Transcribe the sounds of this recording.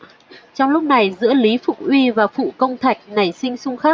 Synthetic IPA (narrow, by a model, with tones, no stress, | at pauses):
t͡ɕɔ˧wŋ͡mlʊ˦˥k͡p̚na˨˩jzɨ̰˧˥əli˨˦fʊ˨˩k̚ʔwi˧vaː˨˩fṵ˧˨kə˧wŋ͡mt̪ʰa˨˩jk̟̚na˨˩jsï˧ŋ̟sʊ˧ŋ͡mxaː˦˥k̚